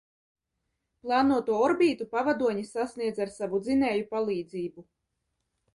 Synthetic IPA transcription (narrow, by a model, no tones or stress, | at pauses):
plˠɑːnuɔt̪uɔɔɾbiːt̪upavad̪uɔɲisasniɛd̪zaɾsavud̪zinɛːjupalˠiːd̪ziːbu